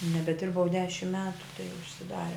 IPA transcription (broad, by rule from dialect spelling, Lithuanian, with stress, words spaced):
nʲɛbʲɛˈdʲɪrbɐʊ ˈdʲæːʃʲɪmt ˈmʲæːtʊ tɐɪ ʊʃʲsʲɪˈdɑːrʲɛ